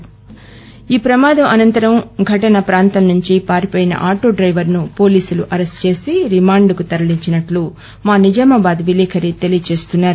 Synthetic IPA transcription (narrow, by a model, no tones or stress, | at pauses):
iːpɾɐmaːd̪ɐmʔɐnɐnt̪ɐɾɐmɡʱɐʈɐnɐpɾaːnt̪ɐmnuɲt͡ʃipaːɾipɔːjinɐ̰ʔaːʈoːɖɾɐjʋɐɾnupo̞ːliːsuluʔɐɾesʈt͡ʃe̞ːsiɾimaːɳɖkut̪ɐɾɐliɲt͡ʃinɐʈlu | maːnid͡ʒaːmɐbaːd̪ʋilɛːkʰɐɾit̪e̞lijɐt͡ʃe̞ːst̪unːaːɾu